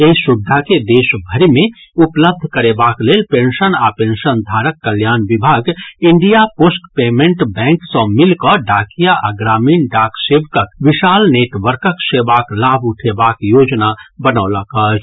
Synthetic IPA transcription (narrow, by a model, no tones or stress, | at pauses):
eɦisub̚d̪ʱaked̪esbʱəɾimẽupləb̚d̪ʱkəɾebaklelpẽnʃənapenʃənd̪ʱaɾəkːəljaːnbibʱaɡiɳɖijaposʈpeːmẽɳʈbɛ̃ŋksə̃milkəɖakijaʔaɡɾaːmiːnɖaksebk̪əkbiʃaːlneʈʋəɾkəksebaklabʱuʈʰebakjod͡ʒnabənəʊləkət͡ʃ